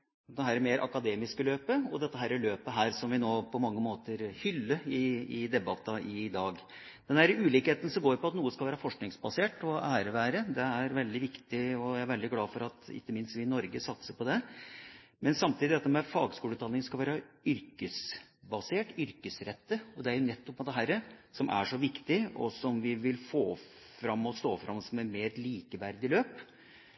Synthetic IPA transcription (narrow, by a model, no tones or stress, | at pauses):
d̪ɛɦæːɾæmeːɾʔɑ̰kɑd̪eːmɪskəløːpəɔd̪ɛt̪ːəɦæːɾæløːpəɦæːɾsɔmʋɪnoːpʰɔmɑŋːəmoːt̪əɾhʏlːəɪɪd̪ɛbɑt̪ːɑʔɪd̪ɑːɡ | d̪ɛnd̪æːɾəʉːliːkheːt̪ən̩sɔmɡoːɾpɔɑt̪nuːəskɑlʋæːɾəfɔʂknɪŋsbɑseːʈɔʔæːɾəʋæːɾəd̪ɛæɾʋɛld̪ɪʋɪkt̪ɪɔjæɾʋɛld̪ɪɡlɑːfɔɾɑt̪ɪ̰kːəmɪnst̪ʋɪnɔɾɡəsɑt̪səpɔd̪ɛ | mɛnsɑmt̪ʰiːd̪ɪɛɑt̪ːəmɛfɑːɡskuːləʉt̪ʰɑnɪŋskɑlʋæːɾɑʏɾkəsbɑseːʈʏɾkəsɾɛt̪ːəɔd̪ɛæɾjʊnɛt̪ːɔpmɛd̪ɛɦæːɾəsɔmʔæ̰ʂɔʋɪkt̪ɪɔ̰sɔmʋɪʋɪlfoː | fɾɑmːɔst̪oːfɾʔɑ̰mɔsɔmæɾmeːɾliːkəʋæɾd̪ɪløːp